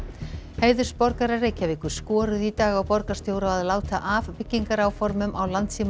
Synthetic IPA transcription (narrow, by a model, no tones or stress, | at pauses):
heːjðʏɾ̥spɔɾkaɾareːjcavɪːkʏ̥skɔːɾʏðit̪aːɣawpɔɾkḁst̪jowɾaaðlaːwt̪aʔavpɪcːiŋkaɾawfɔɾmʏmʔawlant̪sim